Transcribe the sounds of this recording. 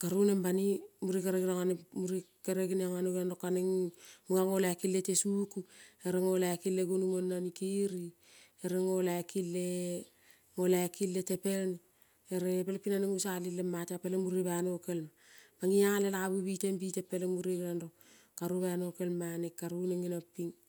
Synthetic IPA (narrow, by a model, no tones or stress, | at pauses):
kaɾunembanimuɾikaɾeɡinaŋanemuɾikaɾeɡinaŋanoβenɾokːaneŋmuŋaŋolaekiletesukueɾeŋo̞lakilːeɡunumonːanikiɾi | eɾeŋolakilːe | ŋolakilːetepeln | eɾepelpinaneŋusalilemːateapelemuɾiβanokelma | paŋiaŋalelaaβubitembitepelemuɾeɡinando | kaɾuβano̞ke̞lmanekːaɾuneŋinapːiŋ